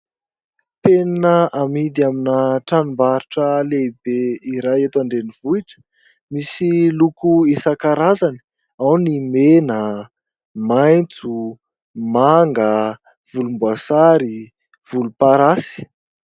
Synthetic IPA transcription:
penanəʔamid̪iaminəʈ͡ʂanumbaɾiʈ͡ʂəlebeiɾajet̪aɳɖ͡ʐenivuiʈ͡ʂə̥ | misilukuisakaɾazani̥ | awnimenə | majnt͡su | maŋɡə | v̥ulumbuasaɾi | v̥ulupaɾasi̥

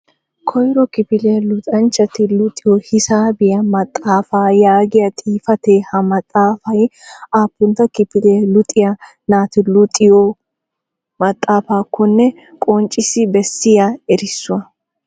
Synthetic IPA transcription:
kʰɔjɾɔkɪpɪleːlʊt̪ʼɐnt͡ʃːɐt̪ɪlʊt̪ʼːɪjɔhɪsaːbɪjɐmɐt̪ʼːaːfaːjaːɡɪjɐt̪ʼiːfɐt̪eːhɐmɐt̪ʼːaːfɐjaːpːʊnt̪ɐkɪpɪleːlʊt̪ʼːɪjɐ | naːt̪ɪlʊt̪ʼɪjɔ | mɐt̪ʼːaːfaːkʰːɔnːɛ | kʼɔnt͡ʃʼɪsɪbɛsːɪjaɛɾɪsːʊɐ

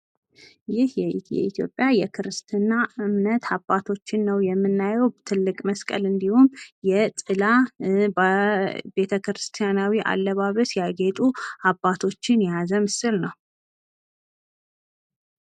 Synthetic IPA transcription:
jɪhjjɛ̰it̪ʰjo̞̰pʼjajɛkʰɨɾɨst̪ʰɨnːaɨmnət̪abːat̪ʰo̞t͡ʃːɪnːəwjɛmːɨnːajɛwt̪ʰɨlːɨkʼməskʼə̰lɨnd̪ihumjɛsʼɨla | be̞t̪ʰəkɾɨst̪ʰijanawiʔa̰lːəβaβəsjaɡet̪ʼuabːat̪ʰo̞t͡ʃːɪnjazəmɨsɨlnəw

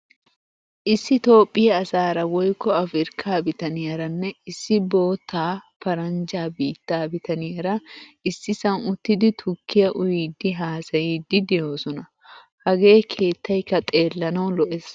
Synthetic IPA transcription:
ʔɪsːɪt̪o̞ːpʼːɪjɐːsaːɾɐwɔjkːɔɐfɾɪɾkʰːaːbɪt̪ɐnɪjɐɾɐnːɛɪsːɪbo̞ːt̪ʰːaːpɐɾɐnd͡ʒaːbiːt̪ːaːbɪt̪ɐnɪjɐɾɐɪsːɪsɐnʊt̪ːɪd̪ɪt̪ʰʊkʰːɪjɐʔʊjiːd̪ːɪɦaːsɐjiːd̪ːɪd̪ɛjo̞ːsɔnɐ | hɐɡe̞ːkʰe̞ːt̪ːɐjkːɐt̪ʼe̞ːlːɐnɐwlɔʔes

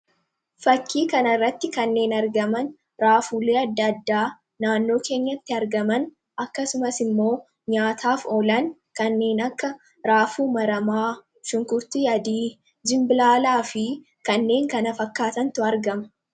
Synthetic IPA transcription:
fɐkːiːkɐnɐrːɐt̪ːɪkɐnːe̞ːnɐɾɡɐmɐn | ɾaːfuːle̞ːɐd̪ːɐːd̪ːaː | naːnːo̞ːke̞ːɲːɐt̪ːɪɐɾɡɐmɐn | ɐkːɐsʊmɐsɪmːo̞ː | ɲaːt̪ʰaːfɔlɐn | kɐnːe̞ːnɐkːɐ | ɾaːfuːmɐɾɐmaː | ʃʊŋkʊɾt̪ijɐd̪iː | d͡ʒɪmbɪlaːlaːfɪ | kɐnːe̞ːŋkɐnɐfɐkːaːt̪ɐnt̪ʊɐɾɡɐmɐ̥

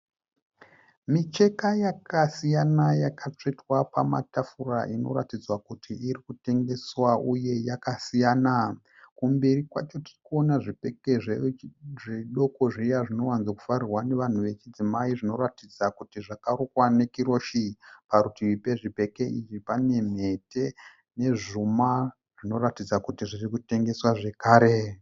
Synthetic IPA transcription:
mit͡ʃe̞kajakasijanajakat͡ʂetwapama̰tafura̰ʔino̞̰ɾatid͡zwakutʰiiɾikute̞ŋɡe̞swauje̞jakasijaːna | kumbiɾikwat͡ʃo̞tirikuo̞naʐipeke̞ʐ | ʐeɗo̞ko̞ʐijaʐino̞wanzaku̥farirwane̞ʋan̤uʋe̞t͡ʃid͡zimaiʐino̞ratid͡zakutiʐakarukwane̞kiɾo̞ʃipaɾutiʋipe̞ʐipe̞ke̞it͡ʃipane̞m̤e̞te̞ | ne̞ʐuma | ʐ̥ino̞ɾatid͡zakutiʐirikute̞ŋɡe̞swaʐe̞kaːɾe̞

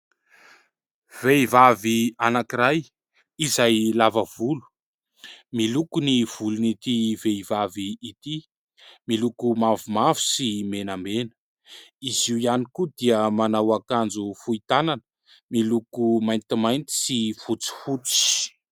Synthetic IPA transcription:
v̥eivavianakiɾaj | izajlavəv̥ulu̥ | milukuniv̥ulunit̪iveivaviːt̪i | milukumavumavu̥simenambenə | iziwijanikud̪iəmanawakand͡zufuit̪ananə̥ | milukumajnt̪imajnt̪i̥sifut͡si̥fut͡si̥

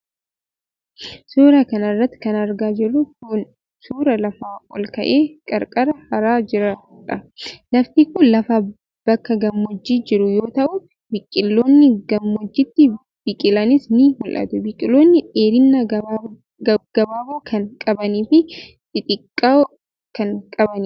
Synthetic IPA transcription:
suːɾakɐnɐrːɐt̪ːɪ̥kɐnɐɾɡaːd͡ʒɪrːʊkʊn | suːɾɐlɐfaːɔlkɐ̰ʔe̞ːkʼɐɾkʼɐɾɐhɐɾaːd͡ʒɪɾɐ | ᶑɐlɐft̪iːkʊlɐfa | b̥ɐkːɐɡɐmːɔd͡ʒːiːd͡ʒɪɾʊjo̞ːt̪ɐʔʊ | bɪkʼɪlːoːnːɪɡɐmːɔd͡ʒːɪt̪ːɪ | b̥ɪkʼɪlɐnɪsnɪhʊlʔɐ̰t̪ʊbɪkʼɪloːnːɪᶑeːɾɪnːɐ | ɡɐbaːbaːkʰɐnkʼɐbɐniːfɪ | t̪ɪt̪ʼɪkʼːa | kɐŋkʼɐbɐni

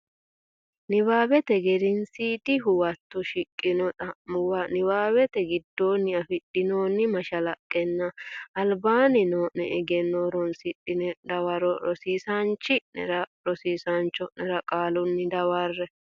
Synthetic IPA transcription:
nɪbaːbɛt̪ɛɡɛd̪ɪnsiːd̪ɪɦʊwɐt̪ːʊʃɪkʼːɪnɔt̪ɐmʊwɐnɪbaːbɛt̪ɛɡɪd̪ːo̞ːnːɪɐfɪɗɪnoːnːɪmɐʃɐlɐkʼːɛnːɐɐlbaːnɪnoːnɛɛɡɛnːoːɾɔnsɪɗɪnɛd̪ɐwɐɾɔɾɔsiːsɐnt͡ʃːɪnɛ̰ɾɐɾɔsiːsɐnt͡ʃːɔnɛɾɐkʼaːlʊnːɪd̪ɐwɐrːɛ

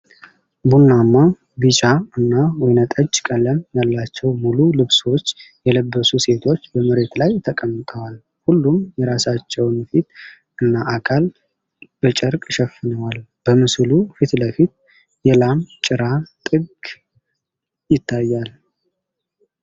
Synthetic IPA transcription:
bunːamːa | ɡɨt͡ʃʼaɨnːawɔjnət̪ʼəd͡ʒkʼələmjalːat͡ʃːɛwmululɨβso̞t͡ʃːjɛləbːəsuse̞t̪ʰo̞t͡ʃːbəməɾe̞t̪lajt̪ʰəkʼəmːɨt̪ʼəwal | hulːumjɛɾasat͡ʃːɛwnfit̪ | ʔɨnːaʔakʰal | b̥ət͡ʃʼəɾkʼʃɛfɨnəwalb̥əmɨslufit̪ləfit̪̚ | jɛlamt͡ʃʼɨɾat̪ʼɨɡ | jɪt̪ʰːajːal

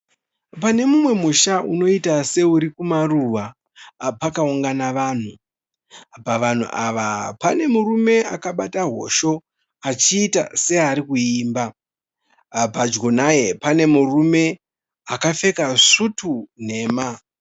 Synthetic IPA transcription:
pane̞mumwe̞muʃauno̞itase̞uɾikumaruʋa | pakauŋɡanaʋaːn̤u | paʋan̤ṵʔaʋapane̞murume̞akaɓataɦo̞̰ʃo̞ | at͡ʃiːta̰se̞aɾikuiːmba | pad͡ʒɡonaje̞pane̞murume̞ | akafe̞kaʂutʰun̤e̞ːma

